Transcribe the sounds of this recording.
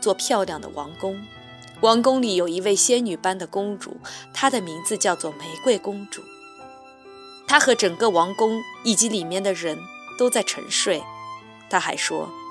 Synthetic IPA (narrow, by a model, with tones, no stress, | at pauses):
t͡swɔ˥˧pʰjɑ˥˧ʊljɑ˥˩ŋd̪ə̰˩wɑ̰˧˥ŋkʊ˥ŋ | wɑ˧˥ŋkʊ˥ŋli˨˩jo˨˩ʊi˧˥we˥˩ɪɕjɛ˥nny˨˩pa˥nd̪ə˨kʊ˥ŋʈ͡ʂṵ˨˩˦t̪ʰa˥d̪ə˨mi˧˥ŋd͡zɹ̩˧t͡ɕjɑ˥˧ʊt͡swɔ˥˩me˧˥ɪkwe˥˩ɪkʊ˥ŋʈ͡ʂṵ˨˩˦ | t̪ʰa˥xɤ˧˥ʈ͡ʂɤ˨˩ŋkə˧wɑ˧˥ŋkʊ˥ŋi˨˩t͡ɕi˧˥li˨˩mjɛ˥˩nd̪ə˩ɻə˧˥nt̪o˥ʊt͡sa˥˩ɪʈ͡ʂʰɤ̰˧˥ŋʂwe˥˩ɪ | t̪ʰa˥xa̰˧˥ɪʂwɔ̰˥